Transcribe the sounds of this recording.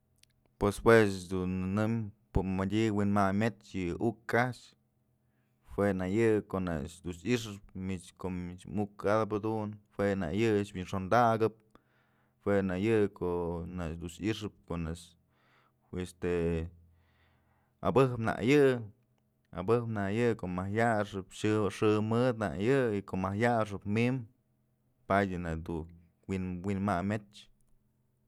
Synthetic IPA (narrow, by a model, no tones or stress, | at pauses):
pweshwesd̪unːɨmpɨmadʲiwinmamet͡ʃjɨukat͡ʃ | hwenajɨkoʔna̰t͡ʃd̪usiʂɨp̚mit͡ʃkoʔit͡ʃmukad̪ap̬ad̪unhwena̰jɨt͡ʃbinʂond̪aɡɨp̚ | hwenajɨʔkoʔnad̪usiʂɨp̚konas | est̪e | a̰bɨhpna̰ʔjɨ | a̰bɨhpnajɨkoʔmahjaʂɨpʃɨʂɨmɨd̪na̰ʔjɨikoʔmahjaʂɨpmim | padʲɨnad̪u | winwinmamet͡ʃ